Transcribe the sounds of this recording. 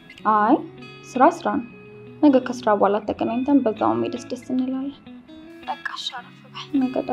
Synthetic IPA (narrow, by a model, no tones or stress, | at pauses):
ʔaj | sɨɾasɨɾanə | nəɡəɾkʰəsɨɾabalat̪ʰːəɡʼənaɲt̪ʰənbəzːa̰w̰mːed̪əsd̪əsɨnːɨlajat̪əkʼːḁʃaɾəfəbaħnəɡət̪ʼa